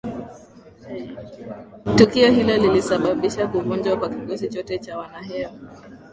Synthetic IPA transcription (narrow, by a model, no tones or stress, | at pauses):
tukiɔhilɔlilisaɓaɓiʃakuvund͡ʒwakwakiɡɔzit͡ʃɔtɛt͡ʃawanaɦɛa